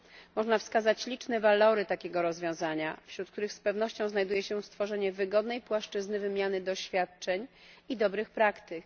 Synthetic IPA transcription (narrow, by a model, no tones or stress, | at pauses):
mɔʐnafskazat͡ɕlʲit͡ʂnɛvalɔɾɘt̪akʲeɡɔɾɔzvʲjɔ̃w̃zaɲafɕɾut̪̚kt̪uɾɘxspɛvnɔɕt͡ɕɔ̃w̃znajd̪ujɛɕɛst̪fɔʐɛɲɛvɘɡɔd̪nɛjpwaʂt͡ʂɘznɘvɘmʲjanɘd̪ɔɕfʲjat̪̚t͡ʂɛɲ | id̪ɔbɾɘxpɾakt̪ɘk